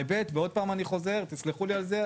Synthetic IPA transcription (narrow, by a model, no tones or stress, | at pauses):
ebe̞t̪veo̞d̚paːmaniχo̞ze̞ʁt̪isliχulialze